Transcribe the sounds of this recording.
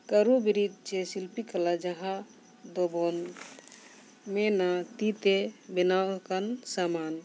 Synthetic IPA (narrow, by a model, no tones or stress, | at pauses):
kəɾubiɾid̪̚t͡ʃesilpikəlad͡ʒəɦã | d̪obɔn | menat̪it̪ebenawkansaman